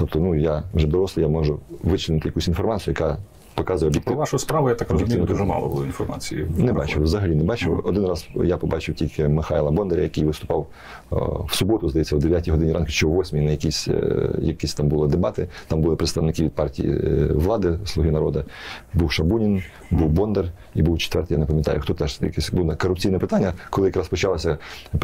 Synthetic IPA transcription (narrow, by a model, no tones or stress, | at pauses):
t̪ɔp̚t̪ɔnujaʋʒɛd̪ɔɾɔsˠɪjamɔʒʊʋɪt͡ʃlʲɪnɪt̪ɪjɐkusʲinfɔrmɑt͡sʲijʊjɐkɑ | pɔkɑzʊjɛɔbjɪkt̪ɪaʃspɾaʋʊjat̪kɔbjɪk̪ɪʋnɔt̪ʒmɑ̰lˠɔ̰bʊlˠɔinfɔrmɑ̰t͡sʲijinɛbat͡ʃɪʋzɐɦɐlʲinɛbɑt͡ʃɪwɔd̪ɪnrɑzjapɔbɑt͡ʃɪwtʲilʲkɪmɪxɑjlˠɐbɔnd̪eɾʲɐjɐkɪjʋɪst̪ʊ̥pɑw | wsʊbɔt̪ʊzd̪ɐjɛt͡sʲːɐwd̪eʋʲjatʲijɦɔd̪ɪnʲiɾɑnkɪt͡ʃt͡ʃɔwːɔsʲmʲijnɐjɐkʲisʲjɐkisʲt̪ɑmbʊlˠɪd̪ebɑt̪ɪt̪ɑmbʊlˠɪpɾet̪st̪ɐʋnɪkɪʋʲid̪̚pɑrtʲḭjḭʋlˠɑd̪ɪslˠʊɦinɐɾɔd̪ɐbuwʃɐbunʲin | buwbɔnd̪er | ibuwt͡ʃe̥t̪ʋɛ̰rt̪ɪja̰nepɐmjɐt̪ɑ̰jʊxt̪ɔt̪ɛʒjɐ̰kɛsʲbunɐkɔrːʊp̚t͡sʲijnɛpɪt̪anʲːɐkɔlɪjɐkɾɑspɔt͡ʃɑlˠɐsʲɐ